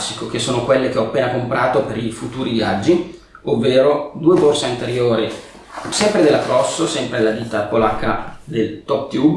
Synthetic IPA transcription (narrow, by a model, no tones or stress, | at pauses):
sːikok̟esːoːnokwelːek̟eɔapːeːnakompɾʔaːt̪opeɾifut̪uːɾivia̰d͡ʒːi | ovːeːɾod̪uːeborsaint̪eɾjoːɾi | sɛmpɾed̪elːat̪rɔsːosɛmpɾed̪elad̪iːt̪apolakʰːad̪elt̪ɔp̚t̪jub